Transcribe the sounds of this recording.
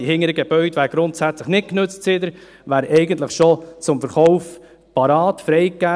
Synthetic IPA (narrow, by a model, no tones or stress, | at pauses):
ihɪŋəɾəɡɛb̥œʏd̥̪ʋæːɾɡ̥ɾʊntsæt͡sləχnɪt̚knøt͡stsɪd̪əɾ | ʋæːɾʔɛɪɡən̩t̪ləχʃot͡sʊmfəɾχɔʊf | pɑɾɑːtfɾɛɪkːæ